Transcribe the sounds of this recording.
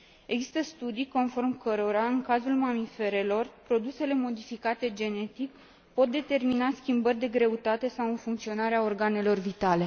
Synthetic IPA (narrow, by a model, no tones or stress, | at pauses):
e̞ɡzi̥st̪əst̪ud̪ijko̞nfo̞rmkəɾo̞ɾaɨŋkazulmamife̞ɾe̞lo̞rpɾo̞d̪use̞le̞mo̞d̪ifikat̪e̞d͡ʒe̞ne̞t̪ik | po̞t̪̚d̪e̞t̪e̞rminaskʲimbərʲd̪e̞ɡɾe̞ut̪at̪e̞sawɨnfuŋkt̪sio̞naɾeao̞rɡane̞lo̞rvit̪ale̞